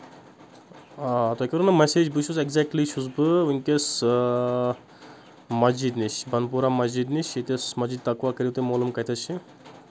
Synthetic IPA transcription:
at̪okʲɐɾunɐmeseːd͡ʒbɨʃʰuzeɡzek̚ʈlit͡ʃʰuzbɨʋɨŋkes | mɐzid̪niʃbʱɐnpuɾamɐzid̪niʃʰit̪esmɐd͡ʒid̪̚t̪ɐkʋakɐɾiwt̪emoːlɐmkɐt̪ʰɐt͡ʃʰi

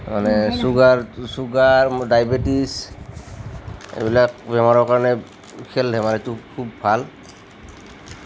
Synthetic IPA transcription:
ma̰nɛsuɡaɹsuɡaɹdajbetis | ḛbilak̚bɛmaɹɔɹkaɹɔnɛ | kʰɛldʱɛmaɹɛtukʰubːʱal

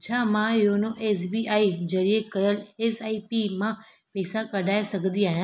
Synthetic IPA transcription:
t͡ɕʰaːmãjoːnõʔeːsbiːʔaːizɐɾiekɐjəleːsaːipimã | pɛːsakɐɖʱaːesɐɡʱnd̪iaːɦijãː

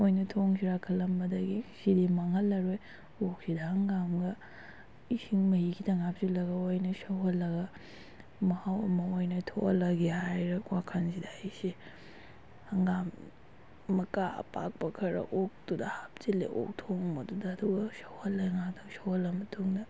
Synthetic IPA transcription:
ojnɐtʰoŋsiɾakʰɐlːɐmbɐdɐɡisidimaŋɦɐlːɐɾoj | ok̚sidɐhɐŋɡamɡɐ | isiŋmɐhikʰitʰɐŋap̚silɐɡɐojnɐsɐwɦɐlːɐɡɐ | mɐhawɐmɐojnɐtʰo̰lːɐɡihajɾɐkwakʰansidaisi | hɐŋɡamː | ɐkaɐ̰pa̰k̚pɐkʰɐɾɐ̰ʔok̚tudɐhap̚t͡ʃilḛʔo̰k̚tʰoŋmɐdudɐːduɡɐsɐwhɐlːɐŋaktʰaŋsɐwhɐlːɐmɐtʰoŋdɐ

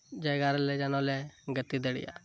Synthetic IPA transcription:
d͡ʒaɡaɾlɛd͡ʒanɔlɛɡət̪id̪ɛɽḭja̰

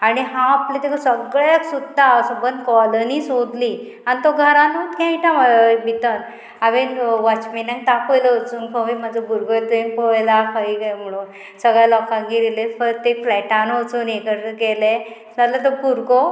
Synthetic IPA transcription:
añiɦãaplet̪ekʰasəɡɭaksud̪asəbənd̪kɔləniːsod̪li | anit̪oɡʱəɾãnut̪kãiʈ̪ãmabit̪ən | aʋenʋat͡ɕminãŋɡ̚t̪akojləot͡suːnkʰəʋimad͡zəbuɾɡot̪ĩnpɔjlakʰəikajm̤əɽ̃uːn | səɡɭjalɔkãŋɡiɾilefəɾt̪eflɛʈanot͡suːnekəɾəkɛle | d͡zalət̪obuɾɡo

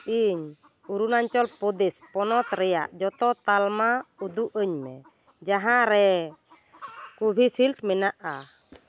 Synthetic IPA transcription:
iɲ | uɾunaɲt͡ʃɔlpɔd̪espɔnɔt̪ɾɛja̰ʔd͡ʒɔt̪ɔt̪almaud̪uʔəɲmɛ̰ | d͡ʒaɦãɾɛ | kubʱisilʈmɛnaʔa

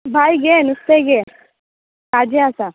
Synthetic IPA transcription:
bʱajɡenust̪eɡe | kad͡ʒiasa

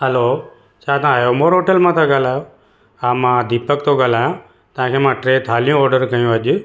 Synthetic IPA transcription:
həloː | t͡ʃʰaːt̪ãaːjoːmoːɾɦoːʈəlmãːt̪ʰaɡaːlaːjoː | aːmãd̪iːpəkt̪oɡaːlaːjãː | t̪ãkʰeːmãːʈɾeːt̪ʰaːlijũɔːɾɖəɾkəjũəʄʊ

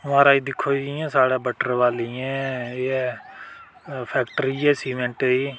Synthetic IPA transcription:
mãːɾaːiːd̪ɪkʰːoːiãːsaːɽaːbəʈəɾʋaːliːɛ̃ːɛː | pʰɛːkʈəɾiːɛːsiːmɛ̃ɳʈiː

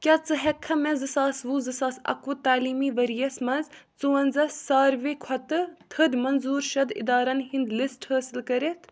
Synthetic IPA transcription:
kʲɐt͡sɨɦɛkʰɐmezɨsaːsʋuːzɨsaːsɐ̰kut̪aːliːmiʋɐɾjɐsmɐzt͡suːɐnzɐsːaːɾʋekʰɐt̪ɨt̪ʰɨd̪mɐnzuːɾʃɐd̪ḭd̪aːɾɐnhind̪lisʈhəːsilkɐɾet̪ʰ

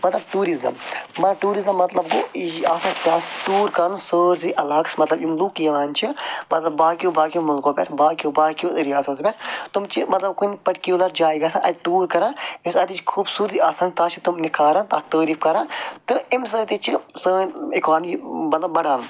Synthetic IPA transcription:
mɐt̪lɐbʈuːɾizɐ̰mmːɐt̪lɐʈuːɾizɐmːɐt̪lɐb̚ɡo̰ːiiaːsaːt͡ʃʰi̥kʲaːsʈuːɾkaːnũsəːɾziːʔɐlaːksmɐt̪lɐbimluːkjɐʋaːnt͡ʃʰimɐt̪lɐbːaːkijoːbaːkʲijõmɐlkoːpʲḛɾbaːkijoːbaːkijoːɾijaːsɐspʲeɾt̪umt͡ʃʰimɐt̪lɐb̚kunʲpɐʈkuːlɐɾd͡ʒaːiɡaːsãʔɐ̰t̪ʲʈuːɾkɐɾãːimsaɐːt̪it͡ʃʰkʰuːbsuːɾt̪iaːsaːnʲt̪aːt͡ʃʰit̪umnikaːɾãːnt̪aːt̪əːɾiːfkɐɾãːt̪ɨims̬əːt̪it͡ʃʰisəːnekaːmimɐt̪lɐbːɐɽaːnu

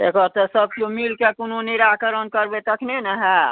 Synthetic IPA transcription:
t̪ekəɾt̪ɔsəb̚komilkekononiɾakəɾənkəɾbet̪əkʰnenəɦɛ

